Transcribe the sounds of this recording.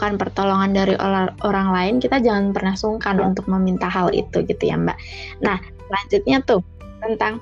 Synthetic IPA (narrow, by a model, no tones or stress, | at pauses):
kanpərt̪oloŋandaɾiʔoaʔoɾaŋlaɪnkit̪ad͡ʒaŋanpərnahsuŋkanṵnt̪ʊk̚məmint̪aɦalḭt̪uɡit̪uja̰mba̰ʔnah | səlaɲd͡ʒʊt̪̚ɲat̪ʊh | t̪ənt̪aŋ